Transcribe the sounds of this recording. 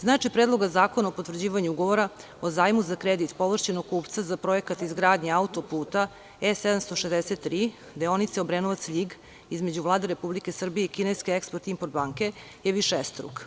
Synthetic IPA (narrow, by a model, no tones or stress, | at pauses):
znaːt͡ʃipɾed̪lˠo̞ɡazaːko̞naopot̪vr̩d͡ʑiːʋaɲuuɡo̞ʋo̞ɾa | ozaːjmuzakɾed̪it̪po̞ʋr̩ʃt͡ɕenoɡ̚kuːpt̪sazapɾo̞jekat̪izɡɾaːd̪ɲeaut̪o̞puːt̪a | esɛd̪amst̪o̞ʃezd̪ɛset̪ːɾiː | d̪eo̞nit̪seobɾenoʋat̪sʎiɡ | izme̞d͡ʑuʋlˠaːd̪eɾe̞publike̞sr̩bijeikʲinejskʲeekspoɾt̪impoɾt̪̚baːŋke̞ | jeʋiʃest̪ɾṵk